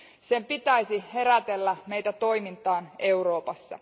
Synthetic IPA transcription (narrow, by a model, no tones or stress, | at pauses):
se̞mpit̪æjsihe̞ɾæt̪elːæme̞jt̪æt̪o̞jmint̪ɑːne̞uɾo̞ːpɑsːɑ̰